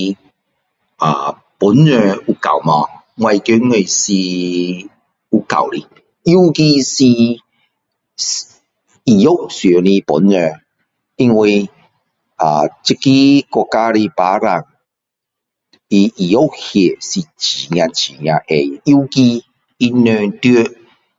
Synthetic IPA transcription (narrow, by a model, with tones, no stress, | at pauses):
a˨ | pʊ˨˦nːə˧u˧ka̰˨˩˨wmɔ˧ | ŋwa˧jkø˦ŋe˨˧˨si˧ | u˧ka̰˨˩˨wli˧ | i˦ki˧si˧ | s | i˨jo˦wsɛ˨˦ni˧pʊ̰˨˦nːə˨˧˨ | i˦ŋwi˧ | a̰˨t͡ɕi˦ki˦kɔ˧ka˦ɾi˧pa˨˦ɾa̰˨˩ŋ | i˧i˨jo˦˨hje˨˩si˨t͡ɕi˨ŋ̃˧ã˧t͡ɕi˨˩ŋj̃ã˧ʔe˨i˦ki˧ | i˦nə˧t̪jø˦